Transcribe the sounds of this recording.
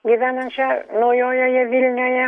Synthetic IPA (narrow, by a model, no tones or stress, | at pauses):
ɡʲɪʋʲænɐnʲt͡ʃʲɛnojoːjojɛʋʲilʲnʲoːjɛ